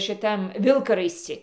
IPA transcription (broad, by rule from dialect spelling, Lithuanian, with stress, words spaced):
ʃʲɪˈtɐm ˈʋʲɪlˠkɐrɐɪsʲt͡sʲɪ